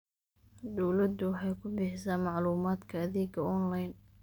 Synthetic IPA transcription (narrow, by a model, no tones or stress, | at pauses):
d̪ɔwlɐd̪ʊwɑħɑjkʰʊbɪħɪsaːnmɑʕluːmaːd̪kʰɐːðiːɡɐɔnlajn